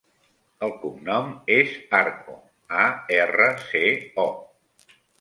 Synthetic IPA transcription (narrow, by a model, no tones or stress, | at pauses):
əlˠkumnɔmezaɾkṵ | aɛrəseɔ